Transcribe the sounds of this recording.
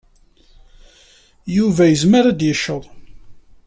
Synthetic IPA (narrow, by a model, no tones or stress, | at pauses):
juvæjəzməɾæd̪jəʃːəðˤ